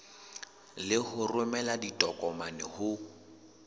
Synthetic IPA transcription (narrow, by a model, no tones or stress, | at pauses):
lɪhʊrʊmɛladitʼɔkʼɔmanɛhʊ